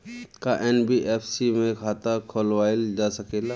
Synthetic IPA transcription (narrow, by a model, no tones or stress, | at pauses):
kaʔɛːnbiʔeːpʰsimẽkʰaːt̪akʰoːlwaːeld͡ʒaːsɐkeːla